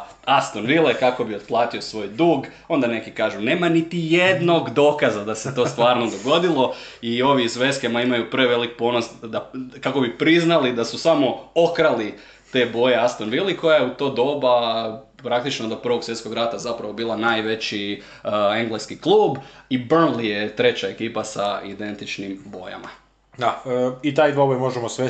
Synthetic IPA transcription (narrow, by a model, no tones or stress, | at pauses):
ast̪onʋilˠekako̞biod̪plˠaːt̪io̞sʋo̞ːjd̪uːɡ | o̞nd̪ane̞kikaːʒune̞ːmanit̪ije̞d̪no̞ɡd̪o̞kazad̪ase̞t̪o̞ːst̪ʋaːɾno̞d̪o̞ɡo̞d̪ilˠo̞io̞ʋizʋe̞skemaimajupɾeʋe̞lik̚po̞nosd̪akako̞bipɾiznalid̪asusamo̞okɾali | t̪e̞ːbo̞jeast̪o̞nʋilˠiko̞jajeut̪o̞ːd̪o̞ːba | pɾakt̪it͡ʃnod̪opr̩ʋo̞ɡsʋje̞t̪ko̞ɡɾat̪azapɾaʋo̞biːlˠanaːjʋe̞t͡ɕi | eŋɡleskiklˠuːbibrnlije̞t̪ɾe̞t͡ɕae̞kiːpasaḭd̪e̞nt̪it͡ʃnimbo̞̰ja̰ma̰ | d̪ait̪aːjd̪obojmo̞ʒemosʋe